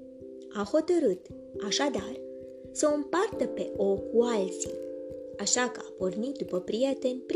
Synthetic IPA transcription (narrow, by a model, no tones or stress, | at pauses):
aho̞t̪əɾɨt̪ | aʃad̪ar | səɨmpart̪əpe̞ʔo̞kʰːualt̪si | aʃakəapo̞rnit̪̚d̪upəpɾije̞t̪e̞nʲpɾ